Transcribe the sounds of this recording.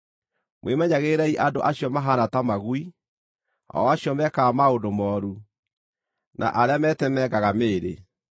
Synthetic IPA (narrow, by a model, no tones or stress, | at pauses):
mwʔemɛɲaɣeːɾɛiʔado̰ʔaɕjɔmaɦanatamaɣwi | ɔ̰waɕjɔmɛkamaodomɔːɾu | nʔa̰ʔaɾeamɛtɛmɛɡaɣameːɾe